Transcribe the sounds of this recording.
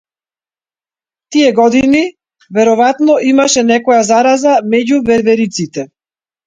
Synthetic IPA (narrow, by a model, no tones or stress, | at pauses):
t̪ijɛɡɔd̪ini | vɛɾɔvat̪nɔʔimaʃɛnɛkɔjazaɾazamɛɟuvɛɾvɛɾit̪sit̪ɛ